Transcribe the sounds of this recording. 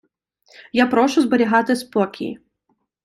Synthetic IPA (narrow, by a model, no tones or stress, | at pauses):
japɾɔʃʊzbɐɾʲiɦat̪ɪspɔkʲḭḭ